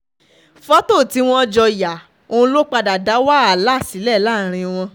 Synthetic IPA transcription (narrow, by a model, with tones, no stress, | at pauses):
fɔ˦to˦˨ti˨˦w̃ɔ̃˦d͡ʒɔ˧ja˨ | õ˧lo˦k͡pa˧da˨da˨˦wa˦a˨la˦˨si˨˦lɛ˦˨la˦˨ɾ̃ĩ˧w̃ɔ̃˧